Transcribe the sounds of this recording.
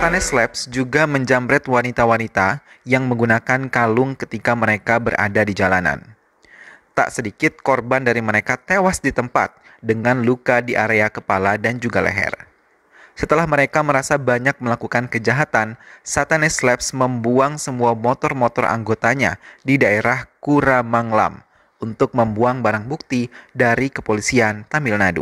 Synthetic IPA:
sat̪anɛslɛpsd͡ʒuɡaməɲd͡ʒambɾɛt̪wanit̪awanit̪a | jaŋməŋɡunakankalʊŋkət̪ikaməɾekabəɾʔa̰dadid͡ʒalana̰n | t̪a̰ʔsədikɪt̪̚kɔrbandaɾiməɾekat̪ewasdit̪əmpa̰t̪̚ | dəŋanlukadiʔaɾeakəpaladand͡ʒuɡalḛɦɛ̰r | sət̪əlahməɾekaməɾasabaɲak̚məlakukankəd͡ʒaɦat̪ansat̪anɛslɛpsməmbuaŋsəmuamot̪ɔrmot̪ɔrʔa̰ŋɡot̪aɲa̰didaeɾahkuɾamaŋla̰m | unt̪ʊk̚məmbuaŋbaɾaŋbuk̚t̪idaɾikəpolisiant̪amilnadṵ

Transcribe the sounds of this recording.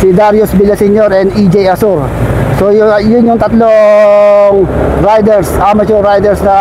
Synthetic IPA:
sid̪aɾjosbilɐsiɲoɾɛnd̪id͡ʒɛjɐsuɾ | sojjʊnjʊŋt̪ɐt̪lo | ŋ | ɾajd̪ɛɾsʔamɐd͡ʒʊɾːajd̪ɛɾsnɐ

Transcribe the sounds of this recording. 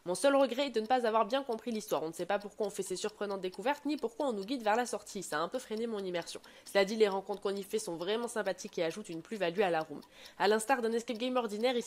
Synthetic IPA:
mɔ̃sœlʁəɡʁɛːd̪ənəpazavwaʁbjɛ̃kɔ̃pχilist̪waʁɔ̃nəsɛpapuʁkwaɔ̃fɛsesyʁpχənɑ̃t̪d̪ekuvɛʁt̪nipuʁkwaɔ̃nuɡʲid̪vɛʁlasɔʁt̪ʰisaɛ̃pøfχenemɔ̃nimɛʁsjɔ̰̃ | səlad̪ileʁɑ̃kɔ̃t̪χəkɔ̃nifɛsɔ̃vʁɛmɑ̃sɛ̃pat̪ikeaʒut̪ynplyvalyalaʁum | alɛ̃st̪aʁd̪ɛ̃nɛskɛpɡɛjmɔʁd̪inɛʁi

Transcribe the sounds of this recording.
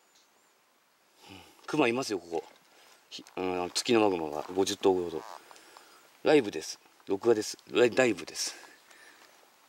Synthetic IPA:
ɯ̃ | kɯ̟maimasɨjo̞ko̞ko̞ | çɯ̃t͡sɨ̥kʲino̞maɡɯmaɡa̰ɡo̞ʑɨt̪ːoɡood̪o̰ | ɾaibɯ̟d̪e̞sɨ̥ | ɾo̞kɯ̟ɡad̪e̞sɨ̥aid̪aibɯ̟d̪esɨ̥

